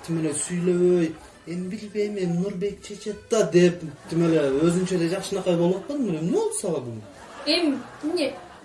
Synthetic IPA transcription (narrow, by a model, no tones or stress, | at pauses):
t̪ʰimelesyjløβøj | e̞mbilbe̞jmennuɾbe̞k̚t͡ʃʰe̞t͡ʃe̞t̪ːɑd̪e̞pt̪ʰimeleøzynt͡ʃed̪ed͡ʒɑqʃɯnɑqɑjbo̞lˠot̪̚qɑd̪ɯmɯnemneolˠsɑlɑd̪un | em | mnʲe